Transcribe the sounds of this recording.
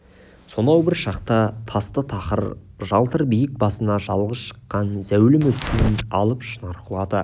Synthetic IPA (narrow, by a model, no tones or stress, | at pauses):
so̞nɑwbɪɾʃɑqt̪ɑt̪ʰɑst̪ət̪ʰɑqəɾʒɑlˠt̪əɾbijɪk̚bɑsənɑʒɑlˠʁəsʃə̥qːɑnzæwlɪmɵst̪ɪnɪnɑlˠəpʃənɑɾqʰəlˠɑd̪ə